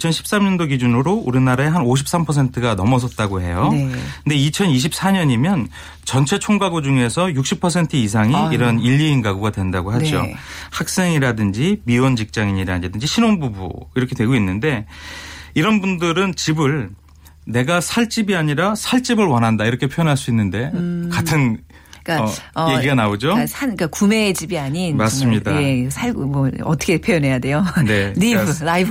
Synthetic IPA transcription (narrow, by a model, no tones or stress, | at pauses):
it͡ɕʰʌnɕʰi̥p̚s͈amɲʌndoɡid͡ʑunɯɾouɾinaɾaeɦanoɕ̬ʰi̥p̚s͈ampʰʌs̬ʰe̞ntʰɯɡanʌmʌs̬ʰʌt̚t͈aɡoɦe̞jokɯnde̞it͡ɕʰʌniɕ̬ʰip̚s͈aɲʌɲimjʌn | t͡ɕʌnt͡ɕʰe̞t͡ɕʰoŋɡaɡod͡ʑuŋe̞sʰʌjuk̚ɕ͈ipʰʌsʰe̞ntʰɯis̬ʰaŋiːɾʌniʎːiːnɡaɡuɡadwe̞ndaɡoɦad͡ʑo̰hak̚s͈e̞ŋiɾadɯnd͡ʑimiwʌnd͡ʑik̚t͡ɕ͈aŋiɲiɾadɯnd͡ʑiɕʰinoŋbubṵiɾʌkʰe̞dwe̞ɡoinːɯnde̞ | iɾʌnbundɯɾɯnt͡ɕibɯɭ | ne̞ɡasʰaɭt͡ɕ͈ibiaɲiɾasʰaɭt͡ɕ͈ibɯɭwʌnɦandaiɾʌkʰe̞pʰjojʌnɦaɭs͈uinːɯnde̞katʰɯn | k͈aʌje̞ɡiɡanaod͡ʑosʰanik͈akume̞d͡ʑibiaɲinmas͈ɯmɲidaesʰaɡmwʌʌt͈ʰʌ̥kʰepʰjojʌnɦe̞jade̞joneɾilaibʰ